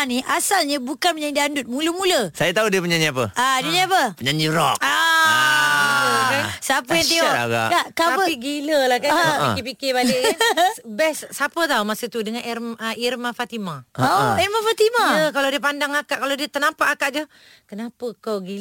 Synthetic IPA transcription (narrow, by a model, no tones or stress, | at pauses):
niʔasalɲəbukanpəɲaɲdiandʊt̪̚muləmuləsajat̪audiəpuɲaɲiap̬əadiəɲapəpəɲaɲd͡ʒiɾɔka | əkansəapəjaŋt̪ia̰ɡa̰ʔaʔkaaəpiɡiləlahkapiɪpikɪbalɪkansbɛsːapət̪auwmasət̪udəŋãnʔɛrməirmafat̪imaiɾmafat̪imaəkalawdiəpandaŋakaʔkalawdiət̪ənampaʔakaʔd͡ʒə | kənapəkawɡi